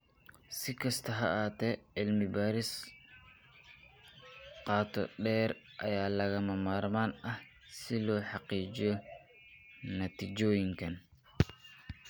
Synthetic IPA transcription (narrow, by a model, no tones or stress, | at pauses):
sɪkʰɐst̪ʰɐɦɐ̰ʔaːt̪ɛʕɪlmɪbaːɾɪs | qɑːt̪ʰɔ̰ɖɛːɾ | ʔɐjaːlɐɣɐmɐmaːɾmaːnɐh | sɪlɔːħɑqiːd͡ʒɪjɔ | nɐt̪id͡ʒɔːjɪŋkʰɐn